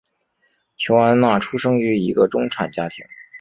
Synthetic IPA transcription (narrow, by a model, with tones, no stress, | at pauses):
t͡ɕʰjo˧˥ʊa˧˥nna˥˩ʈ͡ʂʰu˥ʂɤ˥ŋy˧˥i˧˥ɡə˧ʈ͡ʂʊ˥ŋʈ͡ʂʰa˨˩nt͡ɕja˥t̪ʰḭ˧˥ŋ